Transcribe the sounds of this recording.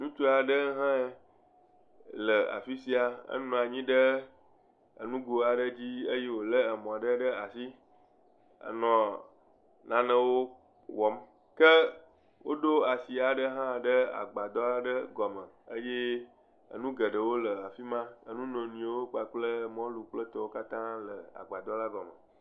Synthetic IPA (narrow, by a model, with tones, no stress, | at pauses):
nũ˦t͡ʃo˦a˨ɖə˦ɦã˦e˨ | lə˨a̰˨fi˦si˦a˨ə̰˦nɔ̃˨a˨ɲĩ˦ɖə˦ | ə̰˨nũ˦ɡo˨a˨ɖə˦d͡ʑi˦ə˦je˦wo˨lə˦ə˨mɔ̃˨a˨ɖə˦ɖə˦a˨si˦ | a̰˨nɔ̃˨ | nã˦nə̃˦wo˦ | wɔ˨˦m | kə˦ | wo̰˦ɖo˦a˨si˨a˨ɖə˦ɦã˦˨ɖə˦a̰˨ɡ͡ba˨d̪ɔ˦la˦ɖə˦ɡɔ˨mə̃˨ | ə˦je˦ | ə̰˨nũ˦ɡə˨ɖə˨wo˦lə˨a˨fi˦mã˦ə˦nũ˦nɔ̃˨nũ˨˦wo˦k͡pa˨k͡plə˦mɔ̃˦lu˨k͡plə˦t̪ɔ˦wo˦ka˦t̪ã˦lə˨a̰˨ɡ͡ba˨d̪ɔ˦la˦ɡɔ˨mə̰˨